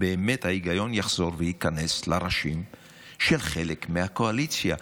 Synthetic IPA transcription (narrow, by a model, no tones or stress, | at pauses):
beːmethaiɡajo̞njaχz̥o̞ʁvejikane̞slaʁaʃim | ʃelχe̞lekmehako̞alit͡sja